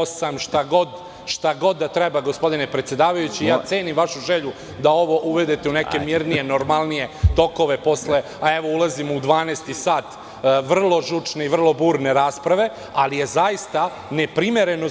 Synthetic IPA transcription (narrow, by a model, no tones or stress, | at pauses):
samʃt̪aɡo̞d̪ | ʃt̪aɡo̞d̪ːat̪ɾebaɡo̞spo̞d̪ine̞pɾe̞t̪sjed̪aːʋajut͡ɕijaːt̪seːnimʋaʃuʒeʎu | d̪ao̞ʋo̞ʔuʋe̞d̪et̪euneke̞miːɾnijeno̞ɾmalˠnije̞t̪o̞ko̞ʋe̞po̞sle̞ | ae̞ʋo̞ulˠazimoud̪ʋaːneːst̪isaːt̪ | ʋr̩lˠo̞ʒut͡ʂne̞iʋr̩lˠo̞buːɾne̞ɾaːspɾaʋe̞ | alije̞zajist̪a | ne̞pɾime̞ɾe̞no